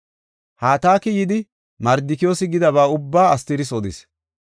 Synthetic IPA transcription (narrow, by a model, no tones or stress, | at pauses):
haːt̪aːkɪjɪd̪ɪ | mɐɾd̪ɪkɪjo̞ːsɪɡɪd̪ɐβaːʊbːaːɐst̪ɪɾɪsɔd̪ɪ̰s